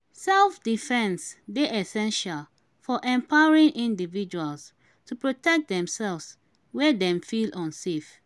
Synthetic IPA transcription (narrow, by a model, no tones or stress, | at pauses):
sɛlfdifɛ̃nsdeʔɛsɛ̃nʃal | fɔʔɛ̃mpʰaʊɹĩŋʔĩndivid͡ʒuals | tupɹotɛk̚d̪ɛ̃msɛlvs | wɛdɛ̃mfilʔɔ̃nsef